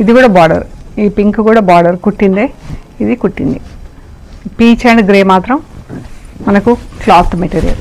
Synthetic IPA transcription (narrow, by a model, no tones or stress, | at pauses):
id̪ikuːɽaːbaːɖɐ̰ɾiːpiŋkkuːɽaːbaːɖɐɾkuʈːind̪eːid̪ikuʈːḭnd̪i | piːt͡ʃeːɳɖɡɾeːmaːt̪ɾɐm | mɐnɐkuklaːt̪ːmeʈeːɾijɐ̰l